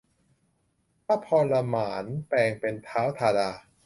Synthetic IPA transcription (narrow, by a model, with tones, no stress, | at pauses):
paː˦˥pʰɔː˧nla˧maː˩˦npɛː˧ŋpe˧nt̪ʰaː˦˥wt̪ʰaː˧daː˧